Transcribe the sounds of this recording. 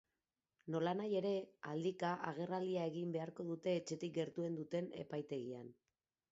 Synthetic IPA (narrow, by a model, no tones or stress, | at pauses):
no̞lanaje̞ɾe̞a̰ld̪ikaʔaɣ̞e̞rald̪iaeɣimbe̞aɾko̞ðut̪e̞ːt͡ʃe̞t̪ik̚ɡe̞ɾt̪ue̞nd̪ut̪e̞ne̞̰pajt̪e̞ɣia̰n